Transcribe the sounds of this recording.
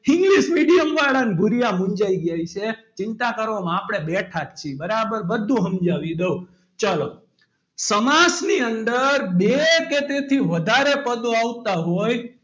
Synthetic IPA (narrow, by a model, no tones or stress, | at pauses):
hɪ̃ŋɡliʃmiɖijəmʋaɭanbʱuɾijamũɲd͡ʒaiɡjajt͡ʃʰet͡ʃɪnt̪akəɾʋamãapɽ̃ebeʈʰakt͡ʃʰibəɾabəɾbəd̪ʱũɦəmd͡ʒaʋid̪eu | t͡ʃalo | səmasniənd̪əɾbeket̪et̪ʰiʋəd̪ʱaɾepəd̪oaʋt̪aɦoj